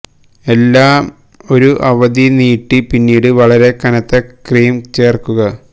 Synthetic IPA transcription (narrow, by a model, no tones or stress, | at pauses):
e̞lːaːm | o̞ɾuʔɐʋɐd̪iniːʈːipinːiːɽɨʋɐɭɐɾe̞kɐnɐt̪ːɐkriːmt͡ɕeːrkuɣɐ